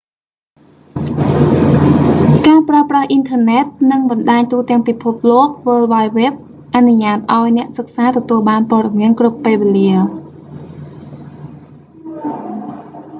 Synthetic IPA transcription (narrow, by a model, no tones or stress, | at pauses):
kaːpraəprahʔint̪ʰəːnɛt̪̚nɨŋɓɑnɗaːɲt̪uːt̪ɛ̆əŋpipʰup̚loək̚ʋəːlʋaːjʋɛːp̚ | ʔanuɲaːt̪̚ʔaɔjnɛ̆əʔsək̚saːt̪ɔt̪uəlɓaːnpŏəɗɑmiənkrupːeːʋeliə